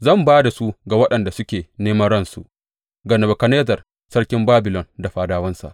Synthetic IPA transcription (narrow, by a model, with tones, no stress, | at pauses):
zɐ˦˨mbaː˦da˨su˦ɡa˨wɐ˦ɗɐ˨nda˨sʊ˦kʲeː˨neː˦mɐ˦ɽɐ˦˨nsu˨ʔ | ɡɐ˨nɐ˨bɐ˨kɐ˨neː˦zɐ˨r | sɐ˦ɽkʲɪ˦mbaː˦bɪ˨lɔ˨nda˨ɸaː˨daː˦wɐ˦nsa̰˨ʔ